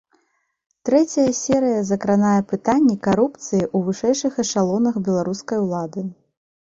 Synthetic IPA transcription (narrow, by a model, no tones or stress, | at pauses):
t̪ɾɛt͡sʲɐjɐsʲɛɾɨjɐzɐkɾanajɐpɨt̪anʲːikaɾupt̪sɨjiʔuvɨʂɛjʂɨxɐʂalˠɔnɐxbʲɛlˠaɾuskɐjwlˠad̪ɨ